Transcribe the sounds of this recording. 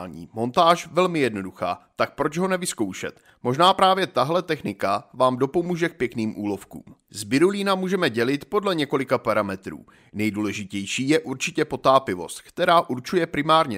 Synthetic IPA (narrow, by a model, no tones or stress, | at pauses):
ɲḭːmo̞nt̪aːʃvɛlmɪjɛdno̞duxa̰ːt̪ak̚pɾot͡ʃɦo̞nɛvɪsko̞wʃɛ̰t̪ | mo̞ʒnaːpɾaːvjɛt̪aɦlɛt̪ɛxnɪkavaːmdo̞po̞muːʒɛk̚pjɛkniːmʔuːlo̞fkṵːmzbɪɾulinamuːʒɛmɛɟɛlɪt̪po̞dlɛɲɛko̞lɪkapaɾamɛt̪ɾṵː | nɛjduːlɛʒɪcɛjʃiːjɛʔuɾt͡ʃɪcɛpo̞t̪aːpɪvo̞̰st̪̚kt̪ɛɾaːʔuɾt͡ʃujɛpɾɪmaːɾɲɛ